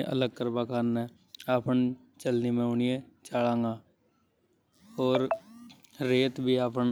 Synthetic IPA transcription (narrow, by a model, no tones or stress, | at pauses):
ʔələɡ̚kəɾbakʰaːnːɛ̃ː | aːpən | t͡ʃəlnimẽʊnijẽt͡ʃaːlãːŋɡaː | ɔːɾː | eːt̪bʱiaːpən